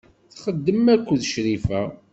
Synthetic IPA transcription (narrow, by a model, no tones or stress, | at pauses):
θχəd̪ːəmækʷːəðʃɾifæ